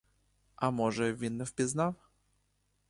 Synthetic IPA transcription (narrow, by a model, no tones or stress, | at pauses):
amɔʐɛvʲinːəfpʲɪznaw